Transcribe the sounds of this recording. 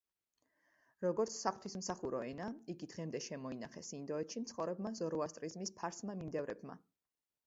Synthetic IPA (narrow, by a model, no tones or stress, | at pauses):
ɾɔɡɔɾt̪sʰsaχwt̪ʰismsaχuɾɔɛnaiɡid̪ʁɛmd̪ɛʃɛmɔinaχɛsind̪ɔɛt̪ʃimt̪sʰχɔvɾɛbmazɔɾuast̪ʼɾizmispʰaɾsmamimd̪ɛvɾɛbma̰